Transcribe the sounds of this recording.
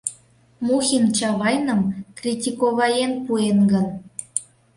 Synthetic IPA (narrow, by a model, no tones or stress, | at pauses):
muxʲint͡ɕɑβɑjnəmkrʲitʲikoβɑjenpuenɡən